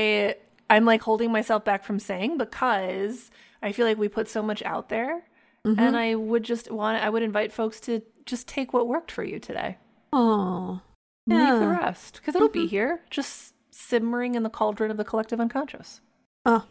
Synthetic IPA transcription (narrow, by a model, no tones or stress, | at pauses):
ɪ | ãɪ̃mlaɪkhoʊlˠdɪ̃ŋmaɪsɛlˠfb̥ækfɹʌ̃mseɪɪ̃ŋbɨkʰʌz | aɪfilaɪk̬wipʰʊtsoʊmʌt͡ʃa̰ʊt̪̚ðə˞ | ɨ̃naɪwəd̚d͡ʒʌstwɑ̃na̰ɪwɨɾɨ̃ɱvaɪtfoʊkstʰɨ̥ | d͡ʒʌstʰeɪkwʌt̚wɜ˞k̚tfə̰˞jʉ̰tʰɨdḛɪ | o | ðəɹɛ̰st̚kʰʌzɨtl̩ˠbiɦiɹd̥d͡ʒʒ̥ʌst | sɪb̚mə˞ɪ̃ŋɨ̃nðəkʰʌlˠdɹɨ̃nʌvðɨkʰəlɛk̚tɨvʌ̃nkʰɑ̃nʃɨ̰s | ʌ